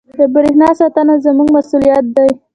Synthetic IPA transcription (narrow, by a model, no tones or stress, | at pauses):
d̪əbəɾehnɑsɑt̪anazəmuɡmasulijat̪̚d̪aj